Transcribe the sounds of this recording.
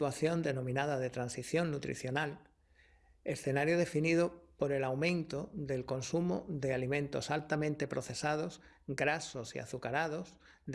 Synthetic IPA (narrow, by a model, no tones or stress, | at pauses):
aθjo̞nd̪e̞nõ̞mĩnaðaðe̞t̪ɾansiθjo̞nːut̪ɾḭθjo̞nal | e̞sθe̞naɾjoðe̞finið̞o̞po̞ɾe̞lawmẽ̞nt̪oðe̞lko̞nsumo̰ðe̞alimẽnt̪o̞̰salt̪amẽnt̪e̞pɾo̞θe̞sað̞o̞s | ɡɾaso̞sḭa̰θukaɾaðo̞s | d̪